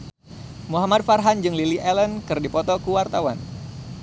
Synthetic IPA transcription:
muɦamad̪̚farɦand͡ʒɨŋliliʔɛlənkɨrdipɔt̪ɔkuwart̪awa̰n

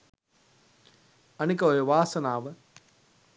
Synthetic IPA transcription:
ɐnikɐojɐʋaːsɐnaːʋɐ

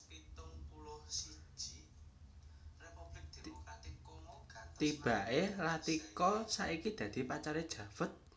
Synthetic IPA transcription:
ŋ | t̪ib̥a̤ʔelat̪ikɔsaʔikid̪̥ä̤d̪̥i̤pat͡ʃaɾed̥ʒ̥ä̤fət̪̚

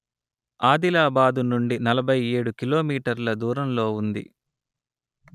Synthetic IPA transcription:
aːd̪ilaːbaːd̪unuɳɖinɐlɐbʱɐje̞ːɽukilo̞ːmiːʈɐɾlɐd̪uːɾɐmlo̞ːund̪ḭ

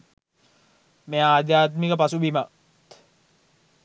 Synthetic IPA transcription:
meaːd̪jaːt̪mikəpasubima | t̪

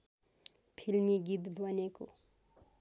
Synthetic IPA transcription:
pʰilmiɡid̪bʱʌneko

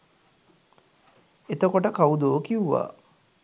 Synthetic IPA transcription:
et̪əkoʈəkaud̪oːkiuʋa̰ː

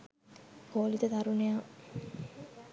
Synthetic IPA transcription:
koːlit̪əd̪aɾunejaː

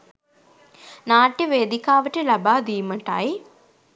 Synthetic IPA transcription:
naːʈːiʋeːd̪ikaːʋɐʈɨlɐbaːd̪ijumɐʈːa̰ji

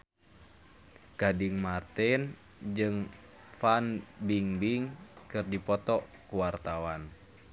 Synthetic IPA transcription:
ɡ̥adiŋmart̪ɛn | d͡ʒɨŋ | fanbiŋbiŋkɨrdipɔt̪ɔkuwart̪awan

